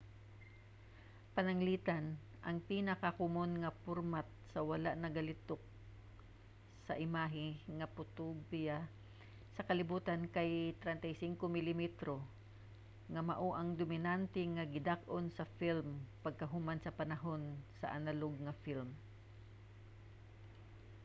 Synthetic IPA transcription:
pɐnaŋliːt̪an | ʔɐŋpinɐkakʊmonŋɐpʊɾmat̪̚sɐwalaʔnɐɡalɪt̪ok̚ | sɐʔɪmaːɦɪŋɐpʊt̪ubja | sɐkɐlɪbuːt̪ankajt̪ɾɛnt̪ajsɪŋkomɪlɪmɛt̪ɾo | ŋɐmaʔoʔaŋd̪ʊmɪnant̪ɛŋaɡɪd̪ak̚ʔonsɐfilmpɐɡ̚kɐɦʊmansɐpanaɦonsɐ̰ʔanaloɡ̚ŋɐfilm

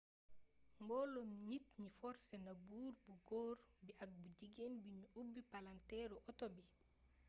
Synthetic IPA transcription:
mɡɔlɔmɲitɲifɔɾsɛnabuːɾbuɡoːɾbiʔak̚bud͡ʒiɡenbiɲuubːipalantɛɾuʔɔtɔbi

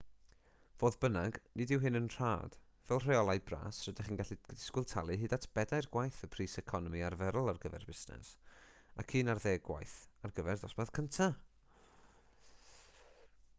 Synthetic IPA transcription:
voːðbənaɡnɪdɪwɦɪnənr̥a̰ːd̥ | vɛlˠr̥eɔlˠajbra̰ːsrədɪχiːnɡaɬidɪskʊlˠtʰalˠɨɦɨːdatʰb̥ɛdajrɡwajθəpʰriːsɛkʰɔnɔmiarvɛɾʊlˠarɡəvɛ̰rbɪsnɛ̰s | akʰiːnarðeːɡwa̰jθarɡəvɛrdɔsmað̥kʰəntʰa

